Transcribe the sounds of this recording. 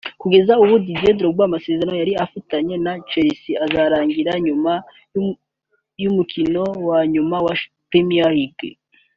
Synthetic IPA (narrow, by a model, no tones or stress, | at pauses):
kuɡe̞zauβudidedɾoɡwaːmase̞zeɾanojaɾiafataɲe̞nat͡ʃeɾisiazaɾaːŋɡiɾaɲuma | jumukʰino̞waɲumawa | pemijahiɡḛ